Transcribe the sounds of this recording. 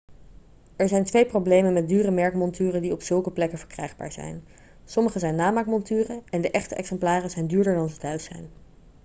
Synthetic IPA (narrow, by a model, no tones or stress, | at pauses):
ɛɹzɛjntʋejprowblejmənmɛt̚dyːrəmɛɹkmɔntyːrədiɔpsɵlˠkəplɛkəvəɹkrɛ̰jχba̰ːɹz̥ɛ̰jn | sɔməχəzɛjnːaːmaːkmɔntyːrəɛndəʔɛχtəʔɛksɛmplaːrəzɛjndyːɹdəɹdɑnzətɦœɥsɛ̰jn